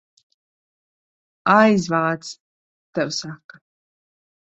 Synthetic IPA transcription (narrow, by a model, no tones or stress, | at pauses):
ajzvaːt̪s | t̪ɛwsakːa